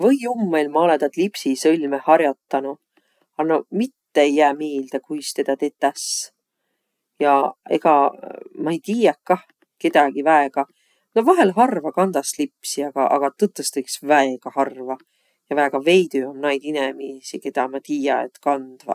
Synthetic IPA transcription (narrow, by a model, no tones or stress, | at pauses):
vɤjumːelmɑo̞led̪ɑt̪lipsisɤlʲmehɑɾjot̪ːɑnu | ɑnomit̪ːeejːæːmiːld̪̥ekujst̪e̞d̪̥ɑt̪e̞ːt̪ːæs | jɑe̞̰ɡ̥ɑmɑejt̪iːjɑkkːɑh | ke̞d̪̥ɑɡivæeɡ̥ɑ | novɑɦe̞lɦɑrvɑkɑnd̪̥ɑslipsiɑɡ̥ɑʔɑ̰ɡ̥ɑt̪ɨt̪ːˑest̪ejksvæeɡ̥ɑhɑrvɑ | jɑvæeɡ̥ɑve̞jd̪̥yomnɑjd̪̥inemiːsike̞d̪̥ɑmɑt̪iːjɑḛt̪kɑnd̪̥vɑ̰